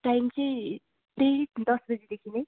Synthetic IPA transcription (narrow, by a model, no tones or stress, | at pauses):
ʈajmt͡sʌj̃ | pɾeɽid̪ʌsbʌd͡zid̪ekʰinej